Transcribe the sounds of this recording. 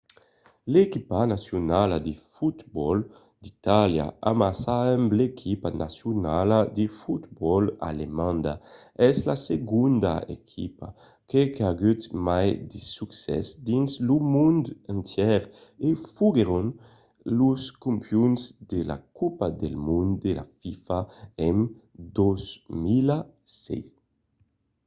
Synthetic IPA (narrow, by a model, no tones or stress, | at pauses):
lekipanasjunalad̪efut̪bɔl | d̪̥it̪alja̰amasaɛmblekʰipanʔa̰sjunalad̪efut̪bɔla̰lemãnd̪a | ɛzlaseɡund̪a̰ḛkʰipa | kekaɡyt̪majd̪esuksɛ̰sd̪inslumund̪ant̪jɛɾefuɡeɾun | luskumpjunzd̪ela̰kupad̪elmund̪ela̰fifaen | d̪ɔzmila | sɛ̰js